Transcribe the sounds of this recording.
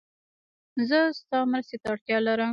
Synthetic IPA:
zəst̪ɑmɾəst̪et̪aaɽt̪jɑlaɾəm

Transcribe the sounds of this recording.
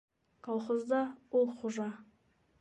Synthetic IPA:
kʰɑlˠχəzd̪ɑwolˠqʰuʒɑ

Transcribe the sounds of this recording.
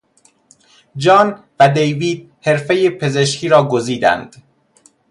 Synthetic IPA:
d͡ʒɒːnvæd̪ejviːd̪̥̚ | he̞ɾfejepʰe̞zeʃkʰiːɾɒːɡoziːd̪æ̰nd̪̥

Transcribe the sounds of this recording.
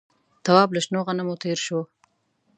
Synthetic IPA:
t̪ɐwɑːblaʃnoːɣanamot̪eːɾʃo

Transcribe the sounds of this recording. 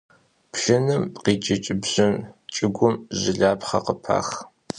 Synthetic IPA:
pʃɪnɨmqiːt͡ʃʼɪt͡ʃʼɪbʑɪnt͡ʃʼɪɡʷʊmʑɪɮaːpχɐ̰qəpʰa̰ːx

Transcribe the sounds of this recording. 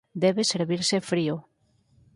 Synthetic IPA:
d̪ɛβeseɾβiɾsefɾio

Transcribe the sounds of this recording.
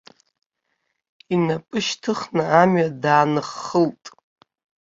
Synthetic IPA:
inapʼɨʃtʰɨχnɨamɥadaːnɨχːəltʼ

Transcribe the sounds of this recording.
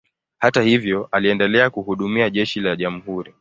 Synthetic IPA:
hatahivjɔaliɛndɛlɛakuhuɗumiaʄɛʃilaʄam̩huɾi

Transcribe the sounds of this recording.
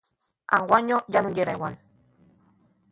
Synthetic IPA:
a̰ŋwaɲojanujeɾawa̰n

